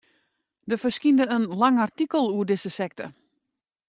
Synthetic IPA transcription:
dəfərskindəənlaŋartikəlˠuədɪsəsɛk̚tə̰

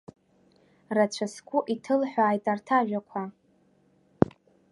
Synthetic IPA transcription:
rat͡ɕʷʰaskʷʼʊʔitʰɨlħʷᶣaːjtʼartʰaʒᶣakʷʰa

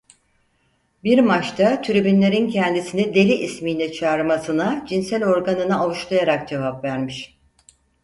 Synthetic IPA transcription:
biɾmat͡ʃt̪ʰat̪ʰyɾybynlʲe̞ɾincʰɛnd̪isinid̪e̞lʲiʔːsmiːnʲɛt͡ʃʰaːɾɯmasɯnad͡ʒinsælʲo̞ɾɡanɯnɯavuʃlˠajaɾak̚d͡ʒe̞vapvæɾmiʃ

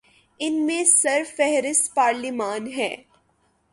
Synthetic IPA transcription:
ɪnmẽsɐɾfɛɦɾɪst̪paːɾlimaːnɦɛ̰ː

